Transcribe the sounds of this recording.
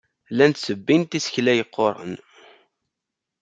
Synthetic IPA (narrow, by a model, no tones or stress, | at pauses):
lænt̪səbːint̪isçlæjəqːoɾˤə̰n